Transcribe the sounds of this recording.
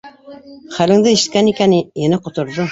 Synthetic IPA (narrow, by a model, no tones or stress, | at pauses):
χælɘ̆ŋd̪ɘʃɘ̥̆t̪̚kænikænjenɘqŏt̪ŏɾd̪o